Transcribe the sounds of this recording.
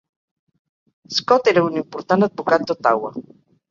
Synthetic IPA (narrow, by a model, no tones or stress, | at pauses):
skɔt̪eɾaunimpoɾt̪ant̪at̪̚bokat̪̚ot̪awa̰